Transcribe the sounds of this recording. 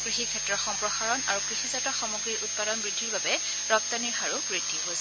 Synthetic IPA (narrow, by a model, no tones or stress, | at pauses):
kɹixikʰɛtɹɔxɔmpɹɔxaɹɔna̰ɹukɹixizatɔxɔmuɡɹiʔut̚padɔnbɹidʱːiɹbabɛ | ɹɔp̚taniɹxaɹubɹidʱːiɦojs